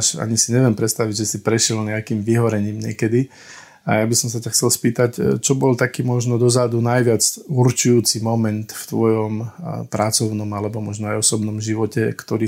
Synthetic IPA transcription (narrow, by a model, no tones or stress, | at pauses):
ʃa̰ɲisiɲɛʋɪɛmpɾɛt̪st̪aʋiɟʒɛsipɾɛʃɛlɲɛakiːmʋiɦɔɾɛɲiːmɲɪɛkɛd̪i | a̰jabisɔmsacaxt͡sɛlspiːt̪act͡ʃɔbɔlt̪akiːmɔʒnɔd̪ɔzad̪unajʋɪat͡suɾt͡ʃujuːt͡simɔmɛnt̪ft̪ʋɔjɔmpɾat͡sɔʊnɔmalɛbɔmɔʒnɔajɔsɔbnɔmʒiʋɔcɛkt̪ɔɾiː